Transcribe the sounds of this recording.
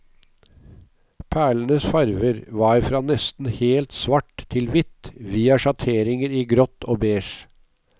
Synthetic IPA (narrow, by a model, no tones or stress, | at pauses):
pʰæːɭənəsfɑɾʋəɾʋɑːɾfɾɑːnɛst̪n̩heːlt̪sʋɑʈt̪ʰɪlʋɪt̪ʋiːɑʃɑt̪ʰeːɾɪŋəɾiːɡɾɔt̪oːbeːʃ